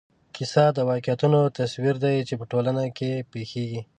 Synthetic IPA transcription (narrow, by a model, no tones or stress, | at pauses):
kɪsɑd̪əwɑkjat̪unot̪aswiɾd̪ajt͡ʃepəʈolanakepexeɡi